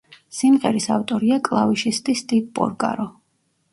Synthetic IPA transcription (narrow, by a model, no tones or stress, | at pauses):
simʁɛɾisaft̪ʼɔɾiakʼlˠaviʃist̪ʼist̪ʼiɡ̚pʼɔ̰ɾkʼa̰ɾɔ